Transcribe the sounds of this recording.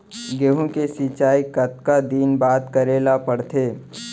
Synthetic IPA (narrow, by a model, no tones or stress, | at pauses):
ɡeːɦũkesit͡ʃaːikət̪̚kad̪iːnbaːt̪kəɾeːlapəɽt̪ʰeː